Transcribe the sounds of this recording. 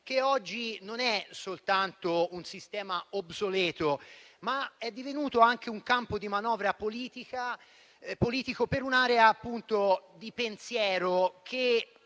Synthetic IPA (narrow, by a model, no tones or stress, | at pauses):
keɔd͡ʒːinonɛsolt̪ant̪ounsist̪ɛːmaobsolɛːt̪omaɛd̪ːivenuːt̪oaŋk̟euŋkampod̪imanɔːvɾapoliːt̪ika | poliːt̪ikopeɾunaːɾeaːpːunt̪od̪ipensjɛːɾokʰe